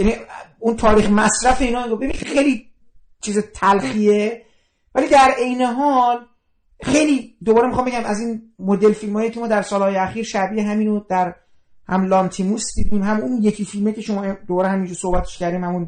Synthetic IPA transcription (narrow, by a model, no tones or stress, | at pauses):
jæniunt̪ʰɒːɾiːxmæsɾæfe̞iːnɒːmiɡobeinxejli | t͡ʃʰiːzet̪ʰælxie | vælid̪æɾe̞jne̞ɦɒl | xe̞jliːd̪obɒːɾemixɒːmbeæmæziːnmod̪elfilmːjecʰemɒːd̪æɾsɒːlhɒːjeæxiːɾʃæbieɦæminod̪æɾ | hæmlɒnt̪ʰimusd̪iːd̪iːmhæmunjecʰifilmecʰeʃo̞mɒːed̪obɒːɾehæmind͡ʒoso̞hbæt̪ʰeʃcæɾd̪iːmhæmun